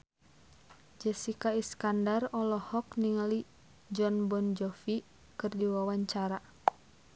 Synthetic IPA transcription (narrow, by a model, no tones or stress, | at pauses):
d͡ʒɛsikaiskandarɔlɔhɔkniŋali | d͡ʒɔnbɔnd͡ʒɔfi | kɨrdiwawaɲt͡ʃaɾa